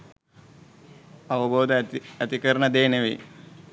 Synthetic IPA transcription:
ɐʋɐboːd̪ɐɐt̪ikɐɾɐɳɐd̪eːnɐʋi

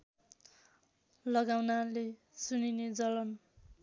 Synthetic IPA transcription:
lʌɡawnale | sunined͡zʌlʌn

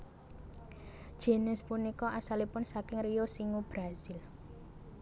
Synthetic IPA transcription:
d̥ʒ̥e̤nɪspunikɔʔasalipʊnsakɪŋrijosiŋub̥ɾasɪl

